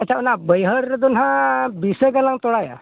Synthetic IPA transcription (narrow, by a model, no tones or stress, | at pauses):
ət͡ɕaunabəjɦəɾd̪unɦãbisəɡəlãŋt̪oɽaja̰